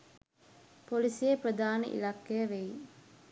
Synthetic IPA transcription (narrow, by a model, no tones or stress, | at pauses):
polisijeprəd̪aːnə̰ʔḭlakːejəʋej